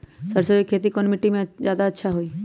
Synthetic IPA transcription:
səɾsəbikʰːeːt̪ikɔnmiʈimẽd͡ʒjaːd̪aətːʃʰaɦoiː

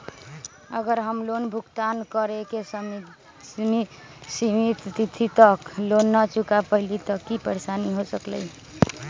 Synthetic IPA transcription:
ə̰ɡəɾɦəmlonbʱukt̪ankəɾekesm | misimit̪t̪it̪ʰit̪əklonːət͡ʃukapəɦlit̪ɔkipəɾesaniɦosəklə̰j

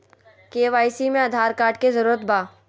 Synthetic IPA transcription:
keːʋaːjsimẽɐd̪ʱaːɾkaːɾʈkezəɾuːɾət̪baː

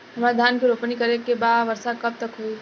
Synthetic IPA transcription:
ɦəmɾad̪ʱankiɾopnikəɾekːebaʋəɾsakəb̚t̪əkɦoi

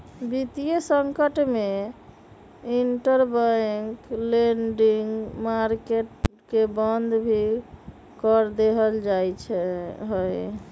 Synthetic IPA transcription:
bit̪ijesəŋkəʈme | iɳʈəɾbajŋkleɳɖiŋɡmaɾkeʈ | kebənd̪ʱbʱi | kɔɾd̪eɦəld͡ʒajt͡ʃʰɛɦoj

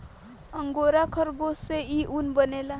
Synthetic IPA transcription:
ʌŋɡoɾakʰʌɾɡoseiʔunbənela

